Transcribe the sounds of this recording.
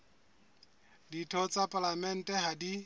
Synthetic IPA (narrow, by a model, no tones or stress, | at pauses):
ditʰɔt͡sʼapʼalamɛn̩tʼɛhadi